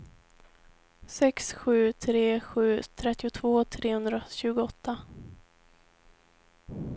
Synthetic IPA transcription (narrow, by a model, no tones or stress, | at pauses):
sɛksɧʉ̟ːt̪ʰɾeːɧʉ̟ːt̪ʰɾɛt̪ːɪʊt̪ʰvoːt̪ʰɾeːhɵnd̪ɾaɕʉ̟ːɡʊɔt̪ʰːa